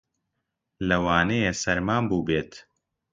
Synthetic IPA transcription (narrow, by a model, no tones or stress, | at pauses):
lɐwaːnɛjesɐɾmaːnbuːbeːt̪